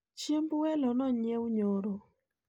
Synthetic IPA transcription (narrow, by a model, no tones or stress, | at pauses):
t͡ʃembwɛlɔnɔɲjewɲoɾɔ